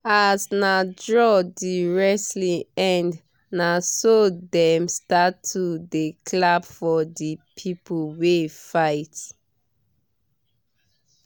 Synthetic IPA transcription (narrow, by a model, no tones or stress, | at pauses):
asnadɹɔdiɹɛslĩɛ̃nd | nasodɛmstatʰːudekʰlabfɔdipʰipʰuwefaɪt